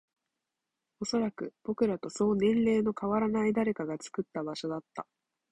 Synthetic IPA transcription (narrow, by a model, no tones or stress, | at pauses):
o̞so̞ɾakɯ̟b̥o̞kɯ̟ɾat̪o̞so̞ːnẽ̞nɾe̞ːno̞kaβaɾanaid̪aɾe̞kaɡat͡sɨ̥kɯ̟t̪ːabaɕo̞d̪at̪ːa